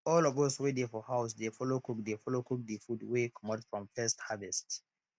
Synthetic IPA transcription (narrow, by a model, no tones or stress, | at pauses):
ɔlɔvoswedefɔhaʊsdefɔlokuk̚defɔlokuk̚dəfudwekʰɔmɔtfɹɔ̃mfɛsthavɛst